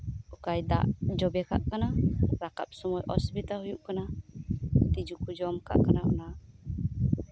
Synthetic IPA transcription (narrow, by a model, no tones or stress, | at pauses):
ukajd̪a̰ʔd͡ʒɔbɛka̰ʔkanaɾaka̰p̚sɔmɔjʔɔ̰sbit̪aɦujuʔkana | t̪id͡ʒukud͡ʒɔmka̰ʔkanaʔɔ̰na